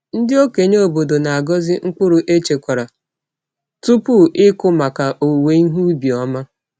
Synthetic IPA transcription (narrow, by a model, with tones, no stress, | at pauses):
n̩˦dɪ˦o˦ke˨ɲo˦o˦˨bo˨do˨na˨a˨ɡɔ˦zɪ˦ŋ̩˦k͡pʊ˦ɾʊ˨ʔe˦t͡ʃe˨kʷa˨ɾa˨ | tu˦pu˦ʔɪ˦kʊ˦ma˨ka˨ʔo˨we˨˦ɦu˦bi˨ɔ˦ma˦